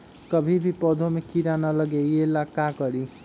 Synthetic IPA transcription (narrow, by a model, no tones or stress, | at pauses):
kʌbʱibʱipʌd̪ʱomekiɾanʌlʌɡejelakakʌɾi